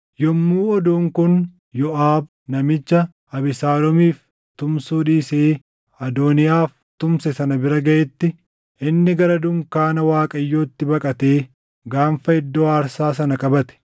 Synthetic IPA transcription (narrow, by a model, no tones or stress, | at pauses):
jɔmːuːɔd̪uːŋkʊn | jɔʔaːb̚ | nɐmɪt͡ʃːɐ | ɐbɪsaːlɔmiːf | t̪ʊmsuːᶑiːseː | ɐd̪oːnɪjaːf | t̪ʊmsɛsɐnɐbɪɾɐɡɐʔɛt̪ːɪ | ɪnːɪɡɐɾɐd̪ʊŋkaːnɐwaːkʼɐjːoːt̪ːɪbɐkʼɐt̪e̞ː | ɡaːmfɐɪd̪ːoːaːɾsaːsɐnɐkʼɐbɐt̪ɛ̥